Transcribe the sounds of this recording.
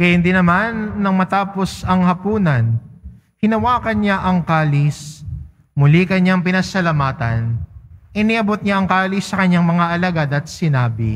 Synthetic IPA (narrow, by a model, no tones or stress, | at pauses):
kɐjhɪnd̪inɐmanːɐŋmɐt̪aːpo̞sɐŋhɐpuːnɐn | hɪnɐwaːkɐnɲaʔɐŋkaːlɪs | mʊlikɐɲaŋpɪnɐsɐlɐmaːt̪ɐnʔɪniʔɐbot̪̚ɲaɐŋkaːlɪsːɐkɐɲːaŋmɐŋaʔɐlɐɡad̪ɐt̪̚sɪnaːbɪ̰